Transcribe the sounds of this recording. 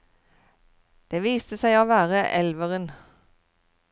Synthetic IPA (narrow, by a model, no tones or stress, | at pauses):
d̪̥eːʋiːst̪əsæɪoːʋæːʁəʔɛlʋəʁən